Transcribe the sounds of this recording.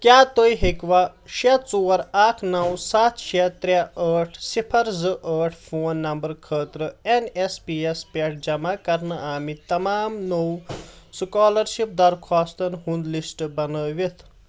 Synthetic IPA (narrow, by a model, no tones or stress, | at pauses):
kʲjaːt̪ojɦikʋaʃet͡soːɾaːkʰnɐwsaːt̪ʰʃet̪ɾʲaəːʈʰsipʰɐɾzɨʔəːʈʰpʰoːnːɐmbɐɾkʰəːt̪ɾəenespiespeʈ̚ʰd͡ʒɐmakɐɾnɐʔaːmit̪ɐmaːmnowskaːlɐɾʃip̚d̪ɐɾkʰaːst̪ɐnɦund̪lisʈbɐnəːʋit̪ʰ